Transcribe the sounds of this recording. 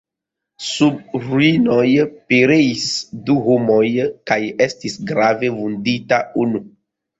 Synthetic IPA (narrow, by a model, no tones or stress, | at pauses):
sub̚ɾuinojpeɾeisduhomojkajestisɡɾavevunditaunu